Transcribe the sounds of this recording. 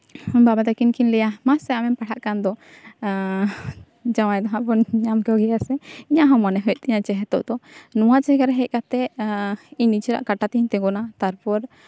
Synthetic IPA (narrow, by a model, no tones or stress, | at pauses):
babad̪akinkinlɛjamasɛamɛmpaɽʰaʔkand̪ɔ | d͡ʒaw̃ajd̪ɔɦãbɔnɲamkɔɡɛaɾsɛiɲaʔɦãmanɛɦɔjt̪̚iɲat͡ʃɛɦɛt̪ɔ̰ʔd̪ɔnuwat͡ʃɛɦɛɡaɾɛɦɛc̚ˀkat̪ɛ | iɲnid͡ʒiɾa̰ʔkaʈat̪iiɲt̪ɛɡɔnat̪aɾpɔɾ